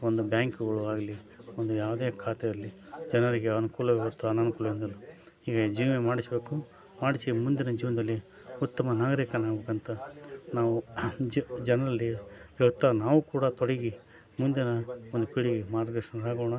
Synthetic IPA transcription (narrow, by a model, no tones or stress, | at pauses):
ond̪ubjaːŋkuɡɐɭuaːɡɐli | ond̪ujaːʋd̪eːkʰaːt̪ɛjɐlːi | d͡ʒɐnɐɾiɡeɐnukuːlɐɡʋɐɾt̪ːuɐnɐnukuːlɐʋind̪ɐlːu | iːɡɐd͡ʒiːʋemaːɽisɐbe̞ːku | maːɽisimund̪inɐd͡ʒiːʋɐnɐd̪ɐlːi | ut̪ːɐmɐnaːɡɐɾiːkɐnaːɡbekɐnt̪ɐnaːʋud͡ʒd͡ʒɛnɐɾɐlːiiʋɐt̪ːɐnaːʋukuːɽɐt̪ɔɽiɡi | mund̪inɐond̪upiɭiɡimaːɾɡdeʂɐnaːɡoːɳɐ